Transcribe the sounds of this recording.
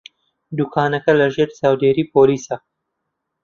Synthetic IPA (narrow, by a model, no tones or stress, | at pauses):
d̪ukʰaːnɐkɐlɐʒeːɾsaːwd̪eːɾiːpoːliːsɐ